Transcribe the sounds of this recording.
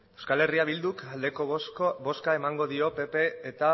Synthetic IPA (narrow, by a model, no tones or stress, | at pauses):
ewskale̞riaβild̪ukald̪e̞kobo̞skae̞maŋɡo̞ðio̞pe̞pe̞ːt̪a